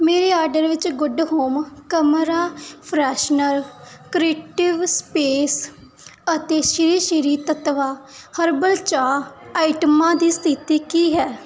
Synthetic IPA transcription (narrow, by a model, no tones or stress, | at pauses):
meːɾeːaːɾɖəɾʋɪt͡ʃɡʊɖɦoːmkəmɾaːpʰɾɛːʃnəɾ | kɾeːʈɪʋspeːs | ət̪eːʃɪɾiːʃɪɾiːt̪ət̪ʋaːhəɾbəlt͡ʃaːaːiʈəmãːd̪iːst̪ʰɪt̪iːkiːɦɛː